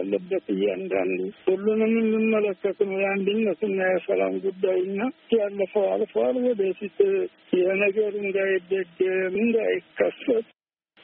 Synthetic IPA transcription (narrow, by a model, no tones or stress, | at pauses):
alːəbːət̪ɨjːɛand̪a̰nd̪uhulːunɨmːɨmːɨmːələkːət̪nəwjand̪ɨnːət̪ɨnːajɛsəla̰mɡud̪ːajɨnːajalːəfəwa̰lfəwalwɔd̪əfit̪ | jɛhnəɡəɾɨnd̪ajɪd̪ːəɡmɨnd̪ajɪkʰːəsət̪ʼ